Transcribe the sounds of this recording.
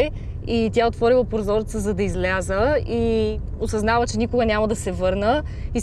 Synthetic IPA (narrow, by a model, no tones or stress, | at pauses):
it̪ʲjaot̪vɔɾilˠəpoɾzɔɾt̪səzɐd̪ɐizlʲazəiosɐznavət͡ʃɛnʲikʊɡənʲamɐd̪ɐsɛvɤɾnə | i